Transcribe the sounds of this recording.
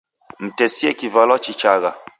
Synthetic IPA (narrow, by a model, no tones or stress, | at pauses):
m̩tɛsiɛkivalɔt͡ʃit͡ʃaɣa